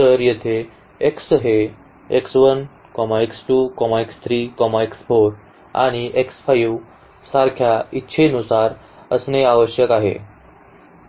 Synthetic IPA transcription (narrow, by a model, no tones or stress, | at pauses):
t̪əɾjet̪ʰe | eksɦe | eksʋən | kɔmaeksʈuːkɔmaekst̪ʰɾiːkɔmaeksfoɾ | a̰ɽ̃iʔeksfajʋ | saɾkʰjaitːɕʰenusaɾ | əsneaʋəɕjəkaɦḛ